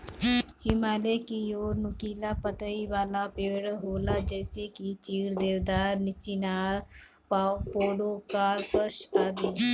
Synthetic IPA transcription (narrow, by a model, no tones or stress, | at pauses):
hɪmaːlekioːɾnʊkiːlapət̪əiʋaːlapeːɽɦoːlad͡ʒɛːsekit͡ʃiːɾd̪eːʋd̪aːɾnɪt͡ʃinaːɾ | paːopoːɽokaːɾpəʃaːd̪iː